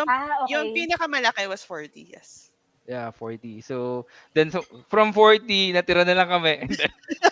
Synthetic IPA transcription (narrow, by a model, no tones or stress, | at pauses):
jʊaojʊŋpiːnɐkɐmɐlɐkɛwɐsfoɹt̪ḭjɛ̰s | jafoɹt̪iso | d̪ɛnsofɾɐmfoɹt̪inɐt̪ɪɾɐnɐlɐŋkɐmɛʔnd̪ɛn